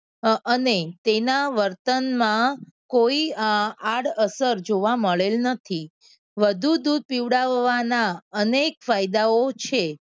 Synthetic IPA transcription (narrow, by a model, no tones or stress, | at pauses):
ənet̪enaʋəɾt̪ənmãkoiaɽəsəɾd͡ʒoʋaməɭelnət̪ʰi | ʋəd̪ʱud̪ud̪̚piʋɽaʋːanaənekfajd̪aot͡ʃʰe